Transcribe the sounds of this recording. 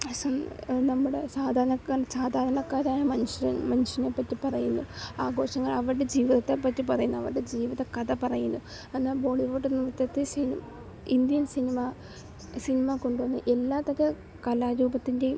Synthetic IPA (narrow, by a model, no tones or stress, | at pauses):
ɐsɐnnɐmːuɽe̞saːd̪ʱaːɾɐnɐkasaːd̪ʱaːɾɐɳɐkːaːɾaːjɐmɐnuɕmɐnuʂɐnepːɐtːipɐrɐjunːuaːɡo̞ːʂɐŋːɐɭɐʋiɾɨɽed͡ʑiːʋiðɐt̪ːepːɐtːipɐrɐjunːuɐʋiɾɨɽe̞d͡ʑiːʋiðɐkɐðɐpɐrɐjunːu | ɐnːaːbo̞ːɭiʋoːʈːunːirɨt̪jɐt̪ːisinim | ind̪jɐnsinima | sinimako̞ɳɖuʋɐnːɨʔe̞lːaːt̪ːɐkːe | kɐlaːɾuːbɐt̪ːinde